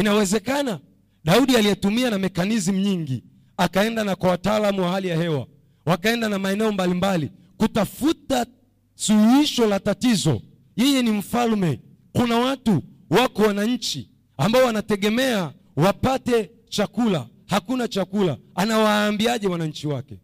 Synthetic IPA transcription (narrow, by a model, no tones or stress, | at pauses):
inawɛzɛkana | ɗauɗialijɛtumianamɛkanizim̩ɲiŋɡi | akaɛndanakwawataaːlamuwahalijahɛwa̰ | wakaɛndanamaɛnɛɔmbalimbali | kutafuta | suhuiʃɔlatatizɔ̰ | jɛjɛnim̩falmɛ | kunawatu | wakɔwanaɲ̩t͡ʃi | ambaɔwanatɛɠɛmɛa | wapatɛ | t͡ʃakula̰ | hakunat͡ʃakulaanawaːmbiaʄɛwanaɲ̩t͡ʃiwakɛ